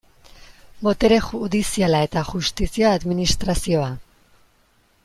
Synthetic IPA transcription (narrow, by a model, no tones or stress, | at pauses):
bo̞t̪eɾexuðisialae̞t̪aʝust̪isiaːðminist̪ɾasio̞a